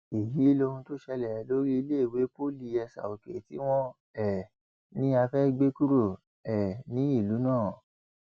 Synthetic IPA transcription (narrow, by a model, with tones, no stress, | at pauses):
i˨ji˨˦lo˧ɾũ˧to˦ʃɛ˧lɛ˨ɛ˨˦lo˦ɾi˦i˧le˦i˨we˨˦po˦li˧ɛ˧sa̰˨o˨ke˨tḭ˨˦w̃ɔ̃˦ | ɛ˨ | nĩ˦a˧fɛ˦ɡ͡be˦ku˦ɾo˦˨ | ɛ˨nĩ˨˦i˦˨lu˨˦nãː˦˨